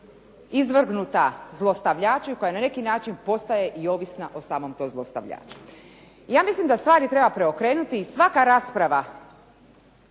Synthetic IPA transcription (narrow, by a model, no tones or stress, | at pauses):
izʋr̩ɡnut̪azlˠo̞st̪aʋʎaːt͡ʃuko̞janane̞kinaːt͡ʃinpo̞st̪aje̞ʔio̞ʋisnaʔo̞saːmo̞mt̪omzlˠost̪a̰ʋʎa̰ːt͡ʃu̥ | ijaːmislimd̪ast̪ʋaːɾit̪ɾe̞bapɾe̞o̞kɾe̞ːnut̪iːsʋakaɾaːspɾaʋa